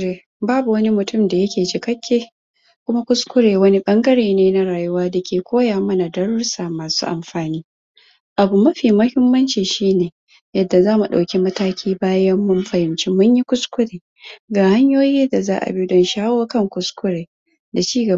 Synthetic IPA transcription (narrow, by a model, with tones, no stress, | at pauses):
e˨ | baː˦bu˨wɐ˦ni˦mʊ˨tʊ˦mda˨jɐ˦kʲeː˨t͡ʃɪ˨kɐ˦kʲːeː˦ | kʷʊ˦ma˦kʷʊ˦skʷʊ˦ɽeː˨wɐ˦ni˦ɓɐ˦ŋɡɐ˦ɽeː˨neː˦na˦ɽaː˨jʊ˦waː˦da˨kʲeː˨kʷoː˦jaː˨mɐ˦na˨dɐ˦ɽʊ˦ɽsaː˨maː˨su̥̰ː˦ʔa˨mɸaː˨niː˦ | ʔa˨bu˨mɐ˦ɸiː˨mɐ˦hɪ˦mːɐ˦nt͡ʃiː˨ʃiː˦neː˨ | jɐ˨dːa˨zaː˦mu˨ɗa̰˨wkʲi˦mɐ˦taː˦kʲʰiː˦baː˦jɐ˦mːʊ˦mɸɐ˨hɪ˨mt͡ʃi˦mʊ˦ɲji˦kʷʊ˦skʷʊ˦ɽeː˨ | ɡaː˨ha˦ɲjoː˦jiː˦da˨za̰ː˦ʔa̰˨bi˦dɔ˦nʃaː˦woː˦kɐ˦ŋkʷʊ˦skʷʊ˦ɽeː˨ | da˨t͡ʃiː˦ɡɐ˨